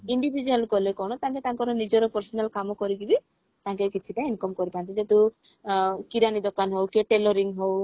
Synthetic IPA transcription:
iɳɖibʱid͡ʒualkɔlekɔɽ̃ɔt̪aŋket̪aŋkɔɾɔnid͡ʒɔɾɔpɔɾsɔnalkamɔkɔɾiɡibi | t̪aŋkekit͡ʃʰiʈainkɔmkɔɾipant̪id͡ʒet̪u | kiɾanid̪ɔkanɦowkeʈelɔɾiŋɦow

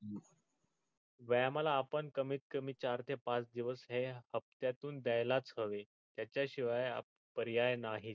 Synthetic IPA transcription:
ʋəjamalaːpəɳkəmiːt̪̚kəmiːt͡ɕaɾt̪ʰepãt͡sd̪iʋəsɦehəp̚t̪jat̪uːnd̪ajlat͡sɦəʋe | t̪jat͡ɕjaɕiʋaja̰ | pəɾjajnaɦi

